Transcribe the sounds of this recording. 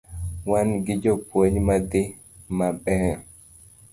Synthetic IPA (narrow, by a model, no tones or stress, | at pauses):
wanɡɪd͡ʒopoɲmade | maɓɛ